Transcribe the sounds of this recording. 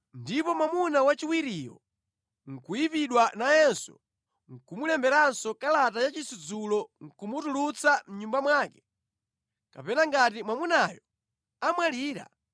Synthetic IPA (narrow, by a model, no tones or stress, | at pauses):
ndipɔmamunawat͡ʃiwiɾijɔ̰ | ŋ̩kuipiɗwanajɛnsɔ̰ | ŋ̩kumulɛmbɛɾansɔkalatajat͡ʃisud͡zulɔŋ̩kumutulut͡sam̩ɲumbamwaːkɛ̥ | kapɛnaŋɡatimwamunajɔ | amwaliːɾa̰